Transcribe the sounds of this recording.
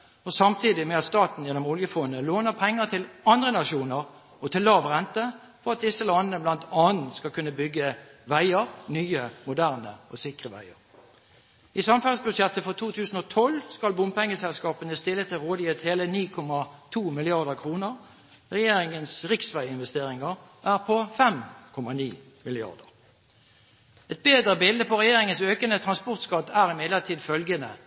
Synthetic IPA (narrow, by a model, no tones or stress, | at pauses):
ɔsɑmt̪ʰiːd̪ɪmɛɑt̪st̪ɑːt̪n̩jɛnːɔmʊljəfɔnəloːnəʁpʰɛŋːəʁt̪ʰɪlɑnd̪ʁənɑʃuːnəʁ | ɔt̪ʰɪlːɑːʋʁɛnt̪ə | fɔʁɑt̪̚d̪ɪsːəlɑnənəblɑnt̪ʰɑːnn̩skɑkʰʉnːəbʏɡːəʋæɪəʁnyːəmʊd̪æːʁnəɔsɪkʁəʋæ̰ɪə̰ʁ | ɪsɑmfæʁsbʉʂjɛt̪ːəfɔʁt̪ʰuːt̪ʰʉːsn̩ɔt̪ʰɔlskɑlbʊmpɛŋːəsɛlskɑːpənəst̪ɪlːət̪ʰɪlʁoːd̪ɪjøt̪heːləniːkʰɔmɑt̪ʰuːmɪlɪɑʁd̪əʁkʰʁuːnəʁ | ʁɛjeːɾɪŋənsʁɪksʋæɪɪnʋɛst̪eːɾɪŋəʁ | ʋʔæːʁpʰɔfɛmkʰɔmɑniː | mɪlɪɑ̰ʁd̪ə̰ʁ | ɛt̪̚beːd̪ʁəbɪld̪əpʰɔʁɛjeːʁɪŋənsøːkənət̪ʰʁɑnspɔʁt̪skɑt̪æːʁɪmɛd̪ləʁt̪ʰiːd̪fœlɡənə